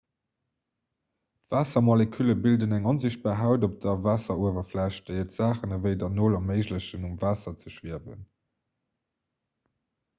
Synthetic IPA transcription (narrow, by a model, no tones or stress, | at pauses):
tvaːsɐmolekʰyləbildənæŋɑnziɕt̚b̥aːɦaʊdop̚d̥ɐvaːsɐuəvɐflæʃt̚d̥əɪətz̥aːχənəvəɪdɐnoːlɑməɪʑləɕənumvaːsɐt͡səʃv̥iəvə̰n